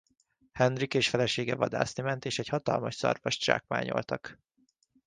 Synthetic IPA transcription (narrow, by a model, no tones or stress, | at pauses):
hɛnrikeːʃfɛlɛʃeːɡɛvɒd̪a̰ːsnimɛnt̪eːʃɛchɒt̪ɒlmɒʃsɒ̰rvɒʃt͡ʃa̰ːkma̰ːɲo̞̰lt̪ɒk